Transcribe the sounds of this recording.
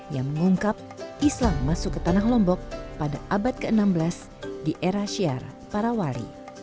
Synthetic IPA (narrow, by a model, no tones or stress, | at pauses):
jaŋməŋuŋkap̚islaŋːasukːət̪anahlɔmbɔk̚padaʔabat̪̚kəənambəlas | diʔeɾaʃia̰rpaɾawaɾḭ